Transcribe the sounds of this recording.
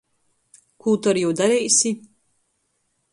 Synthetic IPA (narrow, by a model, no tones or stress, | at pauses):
kuːt̪aɾjɛwd̪aɾɛjsi